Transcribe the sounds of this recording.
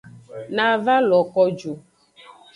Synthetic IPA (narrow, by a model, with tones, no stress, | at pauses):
na˨va˦lɔ˨kɔ˨d͡ʒu˨